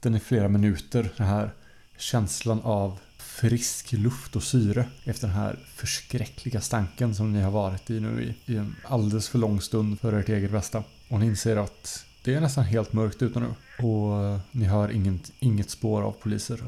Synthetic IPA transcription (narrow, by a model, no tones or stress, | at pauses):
d̪̥ɛnæɾfleːɾamɪnʉ̟ːt̪əɾd̪ɛnɦæːɾ | ɕɛnslanav | fɾɪsklɵft̪ɔsyːɾəɛft̪əɖɛnɦæ̰ːɾfœʂkɾɛkʰlɪɡast̪aŋkəns̬ɔmnɪhaɾvɑːɾɪt̪ɪnʉ̟̰ːɪ̰ɪɛnald̪ɛləsfœɭɔŋːst̪ɵnd̪fœɾeːʈeːɡət̪̚bɛst̪a | ɔnɪnseːəɾat̪d̪̥ɛæɳɛst̪anɦeːlt̪mœɾkt̪ʉ̟ːt̪anʉ̟̰ːɔnɪɦɑːɾʔɪŋːənɪŋːət̪spoːɾa̰vpʰʊlḭːsəɾ